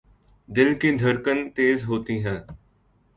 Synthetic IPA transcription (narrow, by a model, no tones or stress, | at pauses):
d̪ɪlkid̪ʱəɾkənt̪eːzɦoːt̪iːɦɛ̃ː